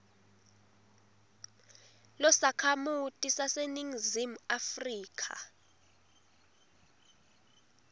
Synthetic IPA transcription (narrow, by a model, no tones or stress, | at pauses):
lɔsakʰamutʼisaseniŋzimuafriːkʰa̰